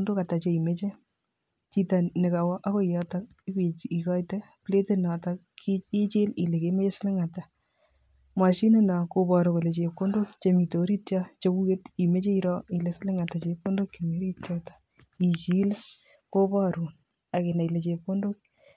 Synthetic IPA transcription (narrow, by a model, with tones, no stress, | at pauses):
o˦ndo˦ka˨ta˨t͡ʃe˨i˨me˦t͡ʃe˦ | t͡ʃi˦ta˨nɪ˨ka˨wɔ˦ʔa˦ko˦ijɔ˦tak | i˦pi˨i˨kɔ˦jtɛ˦ | ple˦te˦na˨ta | i˦t͡ʃi˦li˨le˨ke˦me˦t͡ʃe˦sɪ˦lɪ˦ŋa˨ta˨ | mwa˨ʃi˦ne˦na˨ko˨pɔ˨ɾo˨ko˨le˨t͡ʃe˨p̚ko˦ndo˦kt͡ʃe˨mi˨to˨ɾi˦tja˦t͡ʃe˦ku˦je˦ti˨me˦t͡ʃe˦iɾɔ˦i˨le˨sɪ˦lɪ˦ŋa˨ta˨t͡ʃe˧p̚ko˦ndo˦kt͡ʃe˨mo˦ɾi˦tjɔ˦tḁ | i˨t͡ʃi˦l | ko˦pɔ˦ɾu˨ | a˨ke˨na˨i˨le˨t͡ʃe˨p̚ko˦ndo˦k̚